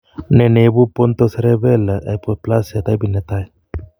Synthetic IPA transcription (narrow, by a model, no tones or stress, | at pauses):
nenebupont̪oseɾeβelaʔajpoplaset̪ajbinet̪aj